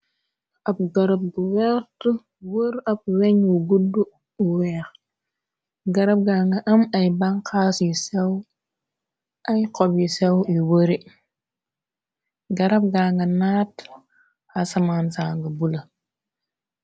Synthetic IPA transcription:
ap̚ɡaɾab̚ɡuweɾtu | wəɾap̚weɲwuɡudːu | uwek | ɡaɾab̚ɡaŋɡaʔamajbaŋkʰasisew | ajkobisewiwəɾi | ɡaɾap̚ɡaːŋɡanaːt | asamansaːŋɡabula

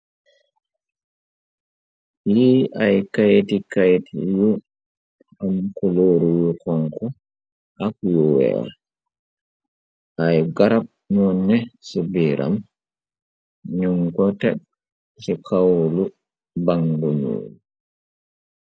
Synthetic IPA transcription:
jiajkajtikajtiju | amkɔloːɾujukɔŋkɔ | ʔakjuwɛ̰a̰ | ʔajɡaɾap̚mɔnːɛsubiɾa̰m | ɲuŋkɔtɛ̰ɗ̚ | sɛkʰawlu | baŋduɲṵlu

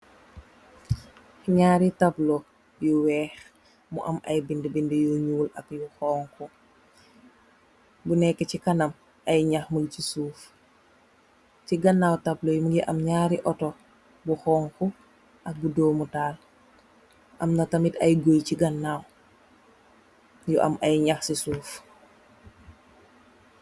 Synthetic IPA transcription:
ɲaːɾitablo | bjuwɛːx | mṵʔɐmʔɐ̰jbindibindijoɲuːlɐ̰kjuxɔːŋku | bunɛkːɛcikɐnɐm | ɐjɲaxmulcisuːf | ciɡɐnːawtaplojmuɡɛʔɐmɲaːɾiʔɔtɔ | buxɔːŋku | ʔɐk̚budoːmutaːl | ʔɐmnatamitɐjɡojciɡanːaːw | jɔʔa̰mʔɐjɲaxsisuːf

